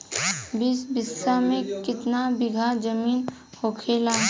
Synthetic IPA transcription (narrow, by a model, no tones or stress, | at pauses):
bisbɪsːamẽkɪt̪nabɪɡʱad͡ʒəmiːn | hoːkʰeːlaː